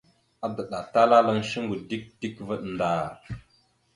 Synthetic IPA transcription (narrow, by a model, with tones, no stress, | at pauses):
a˦də˨ɗa˨ta˦la˦la˦ŋʃi˦ŋɡu˨di˦k̚d̥i˦kvə˦ɗnda˦˨